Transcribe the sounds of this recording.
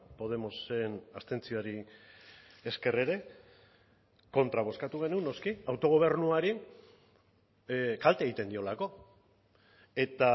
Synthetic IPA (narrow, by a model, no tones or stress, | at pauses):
po̞ð̞e̞mo̞se̞nast̪e̞nt͡sioaɾi | eske̞re̞ɾe̞ | ko̞nt̪ɾaβ̞o̞skat̪uɣe̞nuno̞skiawt̪o̞ɣ̞o̞β̞e̞ɾnuaɾi | kalt̪eɣ̞it̪e̞nd̪io̞lako̞ | e̞t̪a